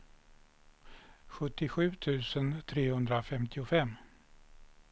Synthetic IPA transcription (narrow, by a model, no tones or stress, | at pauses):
ɧɵt̪ːɪɧʉ̟ːt̪ʰʉ̟ːsənt̪ʰɾeːhɵnd̪ɾafɛmt̪ʰɪʊfɛmː